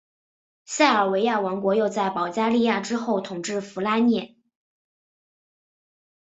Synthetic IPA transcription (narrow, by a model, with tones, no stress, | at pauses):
ɕa˥˩ə˞˨˩we˧˥ɪja˥˩wɑ˧˥ŋkwɔ˧˥jo˥˧ʊt͡sa˥˩ɪpɑ˨˩ʊt͡ɕja˥li˥˧ja˥˩ʈ͡ʂɻ̩˥xo˥˩ʊt̪ʰʊ˨˩ŋʈ͡ʂɻ̩˥˩fu˧˥la˥njɛ˥˩